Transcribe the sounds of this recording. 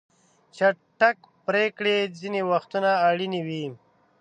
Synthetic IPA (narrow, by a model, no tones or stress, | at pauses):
t͡ʃaʈak | pɾekɽezinewaxt̪unaːɽiniwi